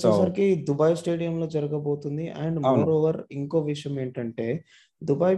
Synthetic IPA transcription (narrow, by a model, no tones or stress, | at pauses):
t͡ʃɐsɐɾikid̪ubɐjsʈe̞ːɽijɐmlo̞ːd͡ʒɐɾɐɡɐbo̞ːt̪und̪iʔɐɳɖmuːɾoːʋɐɾiŋko̞ːʋiʂɐjɐme̞ːɳʈɐɳʈe̞ː | d̪ubɐːj